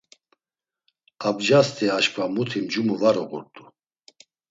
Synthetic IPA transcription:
abd͡ʒast̪ʰʼiaʃkʰʼvamut̪ʰimd͡ʒumuvaɾɔɣṵɾt̪ʼu

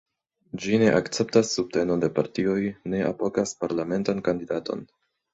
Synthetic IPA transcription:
d͡ʒine̞ʔakt͡se̞p̚tasːub̚te̞no̞de̞paɾtio̞jne̞ʔa̰po̞kaspaɾlame̞ntankandidato̞̰n

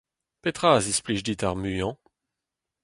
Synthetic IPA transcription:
pet̪χazispliʃd̪it̪aʁmyjɑ̃

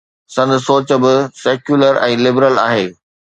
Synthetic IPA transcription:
sɐ̃nd̪ʱsoːt͡ɕə̆bɪseːkjuləɾɛ̃ːlɪbɾəla̰ːɦeː

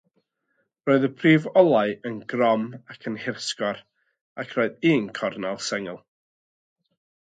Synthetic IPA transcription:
roɨðəpʰriːvɔlˠaɨənɡrɔmakʰənhɪrskɔr | akʰroɨðiːnkʰɔrnalˠsɛŋɛlˠ

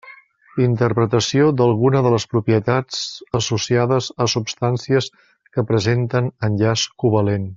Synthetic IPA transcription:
int̪əɾpɾət̪əsiod̪əlˠɣunəðələspɾupiət̪ad͡zəsusiaðəzəsupst̪ansiəs | kəpɾəzent̪ənənʲʎaskuβəlen

